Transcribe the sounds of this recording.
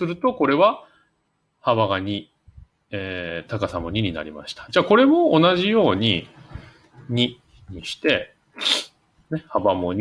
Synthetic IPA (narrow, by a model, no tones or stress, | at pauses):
sɨɾɯ̟t̪o̞ko̞ɾe̞βa | haβaɡaɲ̟i | eːt̪akasamoɲ̟iɲ̟ina̰ɾʲima̰ɕi̥t̪ḁd͡ʑaːko̞ɾe̞mo̞ːnaʑijo̞ːɲ̟i | ɲ̟i | ɲ̟iɕi̥t̪e̞ | nehabamoɲ̟